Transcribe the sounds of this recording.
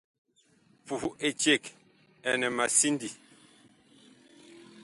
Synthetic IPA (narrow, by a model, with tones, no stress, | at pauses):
pu˨˦ʔe˨t͡ʃe˦˨k | ɛ˨nɛ˨ma˨si˦ndi˨